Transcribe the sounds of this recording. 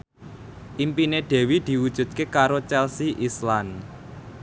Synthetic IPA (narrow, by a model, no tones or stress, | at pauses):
ʔimpineɖ̪̥ɛ̤wid̪̥i̤wud̥ʒ̥ṳd̪̥̚kekaɾot͡ʃɛlsiʔislan